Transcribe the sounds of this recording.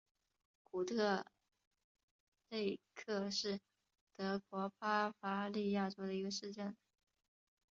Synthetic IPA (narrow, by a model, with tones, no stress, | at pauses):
ku˨˩t̪ʰɤ˥˧ | le˥˧ɪkʰɤ˥˧ʂɻ̩˥˩ | t̪ɤ˧˥kwɔ˧˥pa˥fa˧˥li˥˧ja˥˩ʈ͡ʂo˥ʊd̪ə˨i˧˥ɡə˧ʂɻ̩˥˧ʈ͡ʂə˥˩n